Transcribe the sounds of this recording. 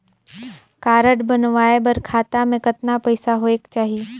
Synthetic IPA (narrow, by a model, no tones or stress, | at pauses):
kaːɾəʈbɐnʋaːebəɾkʰaːt̪amẽkɐt̪napɐɪsaɦoekt͡ʃaːɦie